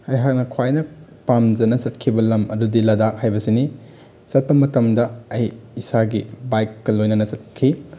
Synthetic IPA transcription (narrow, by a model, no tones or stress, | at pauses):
ɐjɦak̚nɐkʰwajnɐpamd͡ʒɐnɐt͡ʃɐt̚kʰibɐlɐmɐdudilɐdak̚hajbɐsini | t͡ʃɐt̚pɐmɐtɐmdɐɐjːsaɡibajkːɐlojnɐnɐt͡ʃɐt̚kʰi